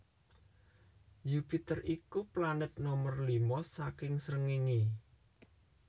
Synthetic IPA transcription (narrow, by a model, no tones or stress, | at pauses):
jupit̪ərʔikuplanət̪̚nɔmərlimɔsakɪŋsɾəŋiŋi